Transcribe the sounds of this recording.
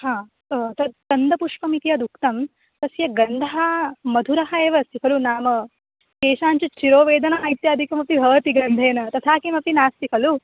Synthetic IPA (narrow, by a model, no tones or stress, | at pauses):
ɦãː | t̪ɐt̪ɐnd̪ɐpuʂkɐmit̪ijɐd̪ukt̪ɐm | t̪ɐsjɐɡɐnd̪ʱɐɦɐmɐd̪ʱuɾɐɦɐeːʋɐɐst̪ikʰɐlunaːmɐ | keːʃaːɲt͡ʃɐt͡ʃiɾoːʋeːd̪ɐnɐjt̪jaːd̪ʱikɐmɐp̚t̪ibʱɐʋɐt̪iɡɾɐnd̪ʱeːnɐt̪ɐt̪ʰaːkimɐp̚t̪inaːst̪ikʰɐlu